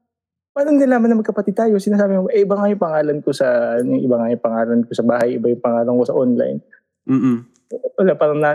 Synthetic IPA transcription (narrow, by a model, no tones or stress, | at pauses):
paːɾɐŋɡ̪ɪlaːmɐnɐmɐɡ̚kɐpɐt̪ɪd̪̚t̪aːjosɪnaːs̬aːbɪmoʔʔɪbaŋajʊŋpɐŋaːlɐnkosɐnʊŋɪbaŋajʊŋpɐŋaːlɐnkosɐbaːhɐjɪbajʊŋpɐŋaːlɐŋkosɐʔonla̰jn | wɐlapɐɾɐnla